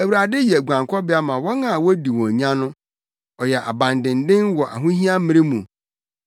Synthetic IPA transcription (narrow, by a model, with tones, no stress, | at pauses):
æ˨wu˨ɾa˨dɪ˦jɛ˨ɡʷã˨ŋkʰɔ˦bɪ˦a˦mã˨wɔ˦nã˨wɔ˦di˨wɔ̃˨ɲã˦nʊ̃˦ | ɔ˨jɛ˨ʔa̰˨bã˨ndɪ̃˨n˦dɪ̃˦nwɔ˨ʔa̰˨ɦũ˦ɦĩ˦a˦mɪ̃˦ɾɪ˦mũ˨